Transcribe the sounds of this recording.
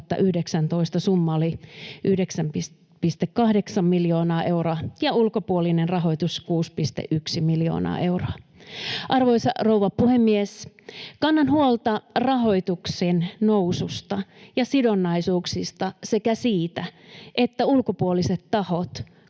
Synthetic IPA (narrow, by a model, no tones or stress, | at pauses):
t̪ːɑ̰ʔyhdeksænt̪oist̪ɑsumːɑoliʔyhdeksæmpi | pist̪ekkɑhdeksɑmːiljoːnɑːʔeuroɑjɑulkopuolinenrɑɦo̞it̪uskuːspist̪ḛʔyksimiljo̰ːnɑ̰ːʔe̞uroɑʔɑrʋoisɑrouʋɑpuhemːies | kɑnːɑnhuolt̪ɑrɑɦo̞it̪uksennousust̪ɑjɑsidonːɑisuːksist̪ɑse̞kæsiːt̪æʔet̪ːæulkopuoliset̪tɑhot̪